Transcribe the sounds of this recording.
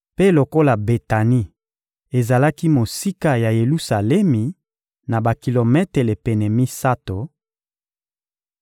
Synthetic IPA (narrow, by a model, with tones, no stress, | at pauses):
pe˦lo˨ko˦la˨be˨ta˨ni˦ | e˨za˨la˦ki˦mo˨si˦ka˦ja˨je˨lu˦sa˨lɛ˦mi˨ | na˨ba˨ki˨lo˨mɛ˦te˨le˨pe˨nɛ˨mi˦sa˦to˨